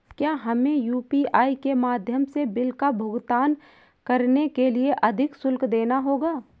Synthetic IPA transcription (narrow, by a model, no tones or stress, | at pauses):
kjaːɦɐmẽjuːpiaːikemaːd̪ʱjəmsebɪlkabʱʊɡt̪aːn | kɐɾnekelieʔɐd̪ʱɪksʊlkd̪eːnaɦoːɡaː